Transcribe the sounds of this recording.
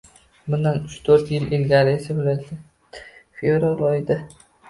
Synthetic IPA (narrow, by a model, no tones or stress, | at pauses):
bʊnd̪anʊt͡ʃt̪ʰɵɾt̪jɪlɪlɡʲaɾɪesabolat̪a | fevɾalɒjɪd̪a